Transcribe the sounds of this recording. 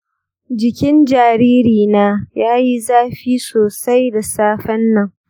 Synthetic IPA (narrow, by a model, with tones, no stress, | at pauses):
d͡ʒɪ˨kʲɪ˦nd͡ʒaː˨ɾiː˦ɾiː˨naː˦jaː˦ji˦zaː˦ɸiː˦soː˨sa˦jda˨saː˦ɸɐ˦nːɐ˦˨ŋ